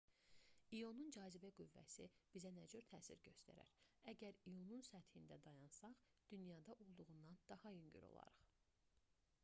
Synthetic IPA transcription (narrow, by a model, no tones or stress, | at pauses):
ijo̞nund͡ʒɑːzibæɡyvːæ̰sib̥izænæd͡ʒøɾt̪ʰæːsḭɾɟøst̪æ̰ɾæ̰ɾæɟæɾijo̞nunsæt̪hind̪æd̪ɑjɑnsɑχ | d̪̥ynjɑd̪ɑʔolˠd̪uʁund̪ɑnd̪̥ɑhɑjyɲɟy̰ɾo̰lˠɑ̰ɾɯχ